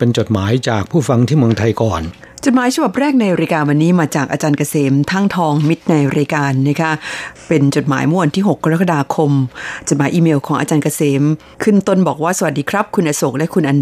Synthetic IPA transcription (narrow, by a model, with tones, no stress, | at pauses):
pe˧nt͡ɕo˨˩t̪̚maː˩˦jt͡ɕaː˨˩k̚pʰuː˥˩fa˧ŋt̪ʰiː˥˩mɯ˧əŋt̪ʰa˧jkɔː˨˩n | t͡ɕo˨˩t̪̚maː˨˦jt͡ɕʰa˧ba˨˩p̚ɾɛː˥˩k̚na˧jɾaː˧jkaː˧nwa˧nːiː˦˥maː˧t͡ɕaː˨˩kʔaː˧t͡ɕaː˧nkaː˧seː˩˦mt̪ʰaː˥˩ŋt̪ʰɔː˧ŋmi˦˥t̪̚na˧jɾaː˧jkaː˧nːa˦˥kʰa˦˥pe˧nt͡ɕo˨˩t̪̚ma̰ː˩˦jmɯ˥˩˨wa˧nt̪ʰiː˥˩ɦo˨˩kːa˧ɾa˦˥k̬a˧daː˧kʰo˧mt͡ɕo˨˩t̪̚maː˨˦jʔiː˧meː˧wkʰɔː˩˦ŋʔaː˧t͡ɕaː˧nkaː˧seː˩˦m | kʰɯ˥˩nt̪o˥˩nbɔː˨˩k̚waː˥˩sa˧wa˨˩t̪̚diː˧kʰɾa˦˥p̚kʰu˧nʔaː˧so˨˩k̚lɛ˦˥kʰu˧nʔa˧n